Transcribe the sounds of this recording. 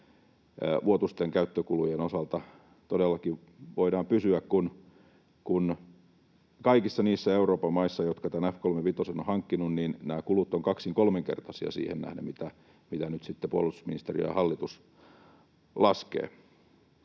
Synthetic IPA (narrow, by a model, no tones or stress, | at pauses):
ʋuot̪ust̪eŋkæyt̪ːøkulujenosɑlt̪ɑ | t̪odelːɑkiʋ | ʋoidɑːmpysyækkun | kun | kɑikisːɑniːsːæeuroːpɑmɑisːɑjot̪kɑt̪ænæfkolmeʋit̪osenohɑŋkːinunniːnnæːkulut̪ːoŋkɑksiŋkolmeŋkḛrt̪ɑsiɑ̰sḭːhennæ̰hnemit̪æ | mit̪ænyt̪sit̪ːepuo̰lːˑust̪usminist̪erijjɑ̰hɑlːit̪us | lɑskḛː